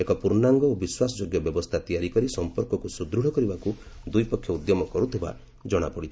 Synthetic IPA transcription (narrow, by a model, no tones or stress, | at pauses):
ekɔpuɾnaŋɡɔobiswasɔd͡ʒoɡjɔbjɔbɔst̪ʰat̪ijaɾikɔɾisɔmpɔɾkɔkusud̪ɾuɽ̤ɔkɔɾibakud̪ujpɔkʰːjɔud̪jɔmɔkɔɾut̪ʰiba̰ | d͡ʒɔɽ̃a̰pɔɽit̪ʰi̥